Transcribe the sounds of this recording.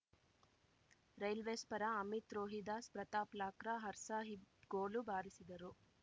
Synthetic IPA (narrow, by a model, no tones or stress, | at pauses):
ɾɐjlʋeːspɐɾaɐmit̪ɾoːɦid̪aːspɾɐt̪aːplaːkɾaɦɐɾsaːɦiɡoːlubaːɾisid̪ɐɾu